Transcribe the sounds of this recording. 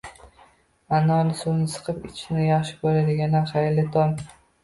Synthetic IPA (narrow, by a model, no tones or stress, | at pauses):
anɒnɪsunɪsɨ̥qʰɨpɪ̰t͡ʃʰɪnɪjaχʃɪ̥bolad̪ɪɡʲananχajlɪt̪ʰɒm